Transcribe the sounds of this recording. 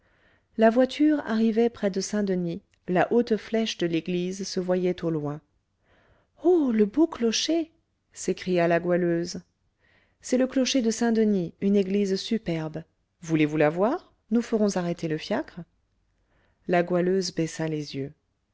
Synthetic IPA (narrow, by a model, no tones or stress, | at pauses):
lavwat̪ʰyʁa̰ʁivɛpχɛd̪əsɛ̃d̪əni | laʔot̪flɛʃd̪əleɡlizsəvwajɛt̪olwɛ̃ | oləboklɔʃe | sekχijalaɡwaløz | sɛləklɔʃed̪əsɛ̃d̪əniyneɡlizsypɛʁb | vulevulavwaʁ | nufəʁɔ̃zaʁet̪eləfjakχ | laɡwaløzbɛsalezjø